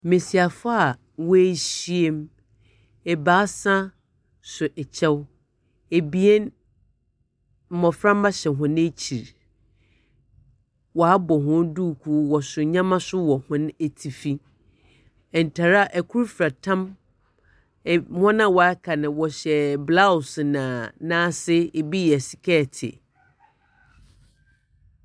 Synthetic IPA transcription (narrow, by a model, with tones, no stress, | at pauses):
mẽ˨si˨a˨fa˦a˨ | wɔ˦e˦˨ɕi˦e˦m | ɛ˨baː˨˦sã˦ | sʊ˨ʔɛ˨t͡ɕʰɛ˦w | e˨bi˦e˦n | m̩˨mɔ̃˨fɾã˦m˦a˦ɕɛ˨ɦʊ̃˨n˦e˦t͡ɕʰi˨ɾ | wɔ˨a˦bɔ˨ɦʊ̃˦duː˦˨kʰu˦wɔ˨sʊ˨ɲã˦mã˦sʊ˦wɔ˨hʊ̃˦ne˨tʰi˨fi˦ | ɛ˨n˨tʰa˨ɾa˦˨ʔɛ˨kʰu˦ɾfɾa˨tʰã˦m˨ | hɔ̃˦nã˦wɔ˨a˦kʰa˨nɪ̃˨wɔ˨ɕɛ˨bla˦ʊ˨snã˨nãː˦sɪ˦e˨bi˦jɛ˨si̥˨kʰɛ˦˨tʰɪ̰˨